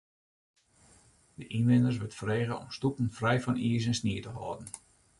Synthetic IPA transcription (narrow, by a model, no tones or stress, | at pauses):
dəʔinʋɪnərs̬ʋətfəreːɣəɔ̰mstupən̩frɛjfɔniːs̬ɛnsniətəɦɔːdn̩